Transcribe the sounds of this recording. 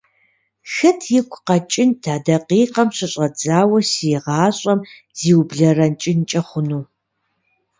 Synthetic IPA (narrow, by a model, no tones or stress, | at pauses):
xɐtʰjɪkʷʰʼqɐt͡ʃʼɪntʰaːdɐqiːqɐmɕɪɕʼɐd͡zaːwɐsijɛʁɑːɕʼɐm | z̥iːwbɮɐrɐnt͡ʃʼɪnt͡ʃʼɐχʷʊnuː